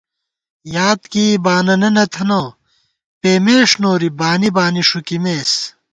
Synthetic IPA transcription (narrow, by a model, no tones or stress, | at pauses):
jaːt̪kiːbaːnɐnɐnɐt̪ʰɐnoː | peːmeːʂnoːɾibaːnibaːniʂukimeːs